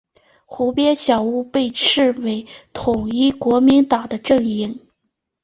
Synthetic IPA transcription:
xu˧˥pjɛ˥nɕjɑ˨˩ʊu˥˧pe˥˧ɪʈ͡ʂʰɻ̩˥˩we˧˥ɪt̪ʰʊ˨˩ŋi˥˩kwɔ˧˥mi˧˥nt̪ɑ˨˩ŋd̪ə˦ʈ͡ʂɤ˥˩ŋi˧˥˩ŋ

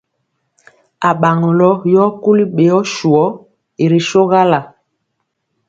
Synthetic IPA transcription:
a˨ɓa˨ŋɔ˨lɔ˦jɔ˦ku˦li˦ɓe˨ɔ˦ʃu˨ɔ˦ | e˨ɾi˨ʃo˦ɣa˦la˨

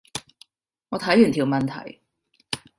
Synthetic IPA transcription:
ŋɔː˨˧t̪ʰɐ˨˥jyː˨˩nt̪ʰiː˨˩wmɐ˨nt̪ʰɐ̰˨˩j

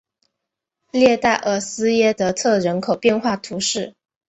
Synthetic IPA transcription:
ljɛ˥˧t̪a˥˩ɪʔə˧˥sɹ̩˥jɛ˥t̪ɤ˧t̪ʰɤ˥˩ɻə˧˥nkʰo˨˩ʊpjɛ˥˧nxwa˥˩t̪ʰu˧˥ʂɻ̩˥˩

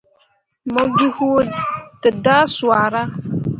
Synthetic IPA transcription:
mə˦vi˦hu˦tə˨da˦su˨a˨ɾa˦

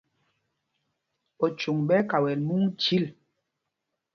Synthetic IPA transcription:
ɔ˨t͡ʃu˨ŋɓɛ˦ka˨wɛ˨lmu˦ŋt͡ʃi˦l

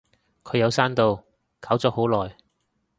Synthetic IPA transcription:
kʰɵ˨˧ɥjɐ˨˧wsaː˥nt̪o˨˧w | kʰaː˨˥wt͡sɔː˨˥ho˨˥wlɔː˨j

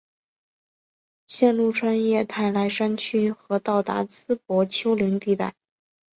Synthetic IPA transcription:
ɕjɛ˥˧nlu˥˩ʈ͡ʂʰwa˥njɛ˥˧t̪ʰa˥˩ɪla˧˥ɪʂa˥nt͡ɕʰy˥xɤ˧˥t̪ɑ˥˩ʊt̪a̰˧˥t͡sʰɹ̩˥p̚wɔ˧˥t͡ɕʰjo˥ʊli˧˥ŋt̪i˥˧t̪a̰˥˩ɪ

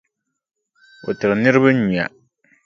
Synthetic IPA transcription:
o˨tɨ˨ɾɨ˨nɨ˦ɾɨ˦βɨ˦ɲu˨a̰˨

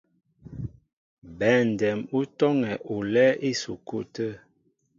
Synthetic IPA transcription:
bɛ˨n˨dɛ˨mu˦tɔ˦ŋɛ˨ʔu˨lɛ˦ʔi˦su˨ku˦tə˦

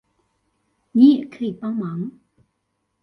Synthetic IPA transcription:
ɲi˨kʰi˥˩˨pa˥ŋma˨ŋ

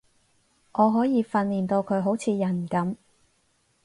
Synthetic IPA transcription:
ŋʔɔː˨˧ɦɔː˨˥jiː˨˧fɐ˧nliː˨˩nt̪o˧wkʰɵ˨˧ɥɦo˨˥wt͡sʰiː˨˧jɐ˨˩n˨kɐ˨˥m

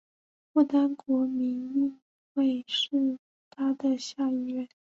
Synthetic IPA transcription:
fu˥˩t̪a˥nkwɔ˧˥mi˧˥ni˥˧˩ | we˥˧ɪʂɻ̩˥˩ | t̪ʰa˥d̪ə˨ɕja˥˧i˥˧ɥɛ˥˩n

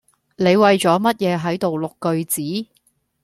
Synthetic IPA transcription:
ne˨˧jwɐ˨jt͡sɔː˨˥mɐ˥t̚jɛː˨˧ɦɐ˨˥jt̪o˨wlʊ˨kːɵ˧ɥt͡siː˨˥

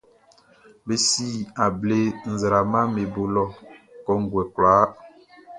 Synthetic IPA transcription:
be˦si˦a˨ble˦n̩˨zɾa˨mã˦me˨bo˨lɔ˨kɔ˨ŋ̩˨˦ɡwɛ˨klaː˨˦

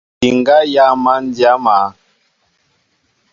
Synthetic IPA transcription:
i˨ŋɡa˦ja˦ma˦n˦dja˦ma˨˦

